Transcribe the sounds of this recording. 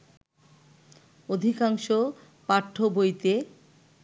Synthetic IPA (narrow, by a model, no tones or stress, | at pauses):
od̪ʱikaŋʃo | paʈʰːobojt̪e